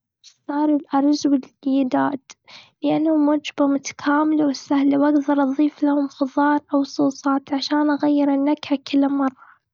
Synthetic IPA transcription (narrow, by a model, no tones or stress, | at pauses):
sˤɑːɾˤɪlʔɑɾˤzwɪlɪjd̪aːt̪lɪʔanːhʊmʊd͡ʒbamʊt̪ḁkʰaːmɪlawɪsːahlawʔaɡd̪ɑɾˤʔɑðˤiːflahʊmxʊðˤɑːɾˤʔawsˤuːsˤɑːt̪ʕaʃaːnʔaɣajːɪɾɪnːakʕakɪlːmɑrˤːɑ